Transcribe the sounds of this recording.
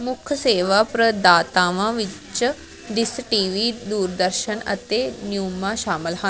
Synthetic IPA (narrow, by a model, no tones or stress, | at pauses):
mʊkʰəseːʋaːpɾəd̪aːt̪aːʋãːʋit͡ʃə | ɖisʈiːʋiːd̪uːɾd̪əɾʃənɐ̰t̪eːnjuːmaʃaːməlɦã